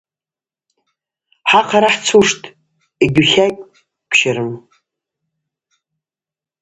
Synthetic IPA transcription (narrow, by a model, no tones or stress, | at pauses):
ħaqʰaɾaħt͡sʰuʂtʼ | iɡʲuχʲakʲʼ | pʰʃaɾɨm